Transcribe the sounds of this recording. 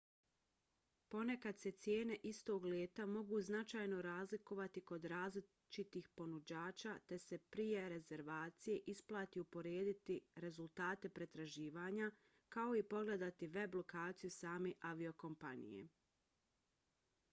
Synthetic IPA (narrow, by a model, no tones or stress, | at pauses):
po̞ne̞kad̪se̞t̪sje̞ːne̞ʔist̪o̞ɡlʲjeːt̪amo̞ɡuznat͡ʃaːjno̞ɾaːzliko̞ʋat̪iko̞d̪ɾaːzli | t͡ʃit̪iːxpo̞nud͡ʑaːt͡ʃat̪e̞se̞pɾije̞ɾe̞ze̞ɾʋaːt̪sije̞ʔisplˠaːt̪iupo̞ɾeːd̪it̪iɾe̞zulˠt̪aːt̪e̞pɾe̞t̪ɾaʒiːʋaːɲa | kao̞ipo̞ɡle̞d̪at̪iʋe̞blˠo̞kaːt̪sijusaːme̞ːʔaʋio̞ko̞mpanḭje̞̰